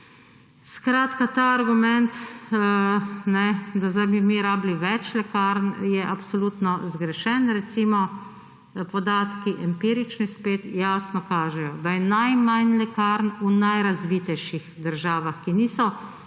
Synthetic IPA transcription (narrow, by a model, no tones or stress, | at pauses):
skɾaːt̪kat̪aːɾɡumɛnt̪ | nɛd̪azajbimiɾaːbliʋɛt͡ʃlɛkaːɾnjɛʔapsɔluːt̪nɔzɡɾɛʃɛnɾɛt̪simɔ | pɔd̪aːt̪kiʔɛmpiːɾit͡ʃnispeːt̪jaːsnɔkaːʒɛjɔd̪ajɛnajmajnlɛkaɾnunajɾazʋit̪ɛjʃixd̪əɾʒaːʋaxkiniːsɔ